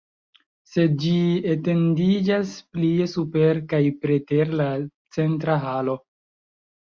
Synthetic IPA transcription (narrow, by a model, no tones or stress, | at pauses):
se̞dd͡ʒiete̞ndid͡ʒaspliesupe̞ɾkajpɾeteɾlat͡se̞ntɾaɦalo̞